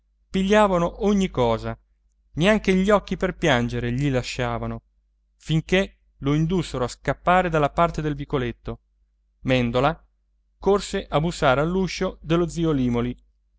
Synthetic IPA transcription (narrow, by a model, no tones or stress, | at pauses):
piʎːaːvanoʔoɲːikɔːza | neaŋk̟eʎːɔkːiperpjand͡ʒeɾeʎilaʃːaːvano | fiŋke | loind̪usːeɾoaskapːaːɾed̪alːapart̪ed̪elvikolet̪ːo | mɛnd̪ola | korseʔabusːaːɾealːuʃod̪elːod̪ziːoliːmoli